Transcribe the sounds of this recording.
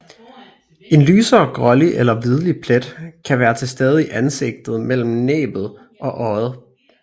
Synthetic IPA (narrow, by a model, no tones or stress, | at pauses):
e̝nlyːsɐːɡ̥ʁɒ̽liʔelɐʋið̞ˠlipʰled̥kʰæʋæːɐt͡sʰe̝sd̥eːð̞ˠiiʔænse̝ɡ̥̚d̥ð̞̩ˠmel̰m̩nḛːb̥ð̞̩ˠ | ʔɒ̽ʔɒð̩ˠ